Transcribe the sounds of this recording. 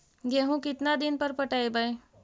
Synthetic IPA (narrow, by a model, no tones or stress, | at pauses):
ɡeɦũkɪt̪nad̪ɪnpəɾpəʈaebaj